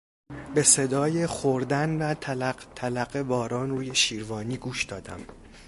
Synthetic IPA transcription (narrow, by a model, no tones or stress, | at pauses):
be̞se̞d̪ɒːje̞xoɾd̪ænvæt̪ʰlæt̪ʰælæɡebɒːɾɒːnruːje̞ʃiːɾvɒːniːɡuːʃd̪̥ɒːd̪æ̰m